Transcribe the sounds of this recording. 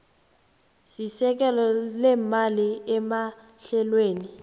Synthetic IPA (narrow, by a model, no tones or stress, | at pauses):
sisɛk̬ɛlɔlɛmaliɛma | ɬɛlweːni